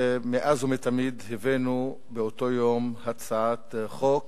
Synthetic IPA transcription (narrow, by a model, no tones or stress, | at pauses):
meʔazumet̪amid̪hevenu | beot̪o̞jomhat͡saat̪χok